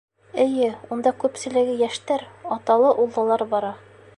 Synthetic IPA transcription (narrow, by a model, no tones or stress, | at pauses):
ɘ̆jɘund̪ɑkʉpsɘ̆lɘ̆ɡɘjæʃt̪æɾɒt̪ɑlˠɤʔulˠːɑ̆lˠɑɾbɒɾɑ